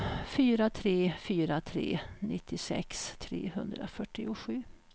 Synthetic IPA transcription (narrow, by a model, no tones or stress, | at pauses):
fyːɾat̪ʰɾeːfyːɾat̪ʰɾḛːnɪt̪ʰːɪsɛ̰kst̪ʰɾḛːhɵnd̪ɾa̰fœʈːɪʊɧʉ̟ː